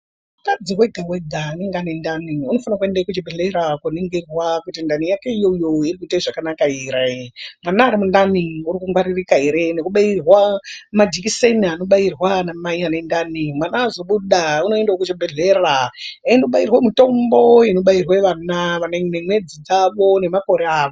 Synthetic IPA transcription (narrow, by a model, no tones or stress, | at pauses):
ukad͡ziweɡʱaweɡʱaneŋɡanendaniuno̞fanakue̞ndakut͡ʃibʱeɮeɾakwoniŋɡerwakutindanijake̞ijojoirikuitaiʐakanakaeɾemanaːɾimundaniuɾikuŋɡwaɾirikaɦeɾe̞ne̞kuɓairwamad͡ʒikiseniano̞ɓairwanamaianendanimwanaːzo̞ɓuɗauno̞endaokut͡ʃibʱeɮeraaindokuɓairwemito̞mbo̞ino̞ɓairweʋanaʋanenemwe̞d͡zid͡zaʋo̞ne̞mako̞ɾeaːʋo